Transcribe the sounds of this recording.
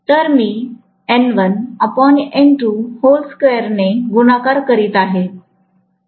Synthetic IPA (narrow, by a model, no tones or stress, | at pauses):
t̪əɾmiː | ɛnʋənəpɔneɳʈuholskejəɾneɡunakaɾkəɾiːt̪aɦe